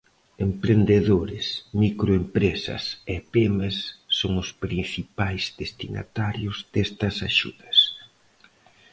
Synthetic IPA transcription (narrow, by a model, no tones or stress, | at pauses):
empɾend̪eðoɾɪsmikɾoempɾesɐ̰sɛpemesːoŋʊspɾin̟θipajzd̪est̪ina̰t̪aɾjʊzd̪est̪ɐsaʃṵðɐs